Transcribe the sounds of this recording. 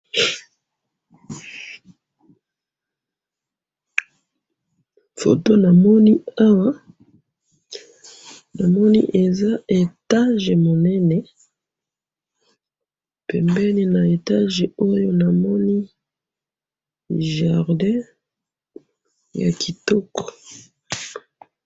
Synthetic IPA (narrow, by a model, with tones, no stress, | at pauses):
fo̰˨to˦na˨mɔ˦ni˦a˦wa˦ | na˨mɔ˦nḭ˦ʔe˨za˦e˨ta˦ʒe˨mo˨nɛ˦nɛ˨ | pɛ˨mbɛ˦ni˦na˨e˨ta˦ʒe˨o˦jo˦na˨mɔ˦ni˦˨ | ʒa˨ʁdɛ̃˦ | ja̰˨kʰi˨tɔ˦kɔ̥˨